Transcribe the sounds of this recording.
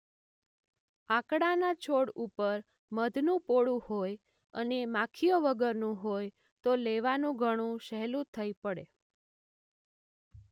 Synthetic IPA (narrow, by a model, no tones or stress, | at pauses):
ãkɽanat͡ʃʰoɽupəɾ | məd̪ʱnũpoɽũhoj | ənemãkʰijoʋəɡəɾnũɦoj | t̪oleʋanũɡʱəɽ̃ũʃɛɦlũt̪ʰəipəɽe